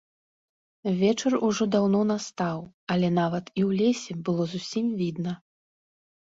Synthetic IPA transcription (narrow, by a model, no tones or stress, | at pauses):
vʲɛt͡ʂɐruʐɔd̪awnɔnast̪aw | ɐlʲɛn̪avɐt̪iwlʲɛsʲɛbɨlˠɔzusʲimvʲid̪nɐ